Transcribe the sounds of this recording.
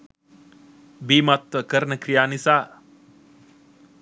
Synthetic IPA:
biːmat̪ʋəkəɾənəkɾijaːnisaː

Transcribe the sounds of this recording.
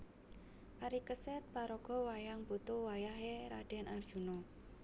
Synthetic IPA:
ʔaɾikəsɛt̪̚paɾɔɡ̥ɔ̤wajaŋbut̪ʊwajaɦeɾa̰ɖ̥ɛ̤nard̥ʒ̥ṳnɔ

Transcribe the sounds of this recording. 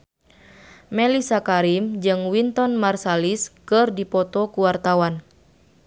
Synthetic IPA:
mɛlisakaɾimd͡ʒɨŋwint̪ɔnmarsaliskɨrdipɔt̪ɔkuwart̪awan

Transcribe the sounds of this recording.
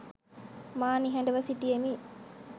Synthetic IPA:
maːniɦɐɳɖəʋɐsiʈijemi

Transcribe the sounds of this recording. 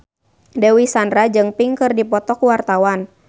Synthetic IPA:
dɛwisanɾad͡ʒɨŋpiŋkɨrdipɔt̪ɔkuwart̪awan

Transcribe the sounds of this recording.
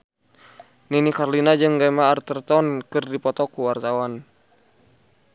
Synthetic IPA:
ninikarlinad͡ʒɨŋɡamaːrt̪ərt̪ɔnkɨrdipɔt̪ɔkuwart̪awan

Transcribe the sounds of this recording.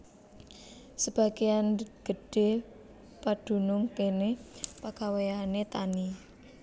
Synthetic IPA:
səb̥a̤ɡ̥ejanɡ̥ə̤ɖ̥e̤ | pad̥ṳnʊŋkenepakawejanet̪ani

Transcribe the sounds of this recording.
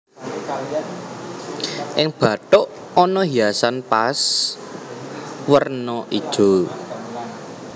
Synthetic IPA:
ʔɪŋb̥ä̤t̪ʊʔ | ɔnɔɦiasanpas | wərnɔʔid̥ʒ̥o̤

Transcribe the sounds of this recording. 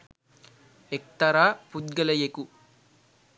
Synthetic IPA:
ek̚t̪ɐɾaːpud̪̚ɡɐlɐjeku

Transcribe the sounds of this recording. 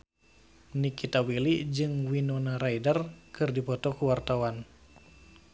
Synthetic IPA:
nikit̪awilid͡ʒɨŋwinonaɾaidərkɨrdipɔt̪ɔkuwart̪awan

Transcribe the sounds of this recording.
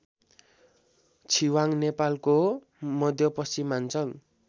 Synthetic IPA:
t͡sʰiwaŋnepalko | mʌd̪ʱjʌpʌsimːant͡sʰʌn

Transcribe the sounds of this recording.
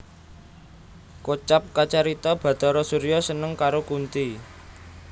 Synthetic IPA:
kot͡ʃap̚kat͡ʃaɾit̪ɔb̥ä̤t̪ɔɾɔsuɾijɔsənəŋkaɾokunt̪i

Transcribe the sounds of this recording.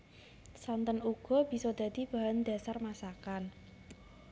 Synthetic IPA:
sant̪ənuɡ̥ɔ̤b̥i̤sɔd̪̥ä̤d̪̥i̤b̥a̤ɦand̪̥a̤sarmasakan

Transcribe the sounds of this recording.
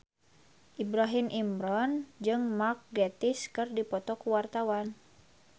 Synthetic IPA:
ʔibɾaɦimʔimɾɔnd͡ʒɨŋmak̚ɡɛt̪iskɨrdipɔt̪ɔkuwart̪awan

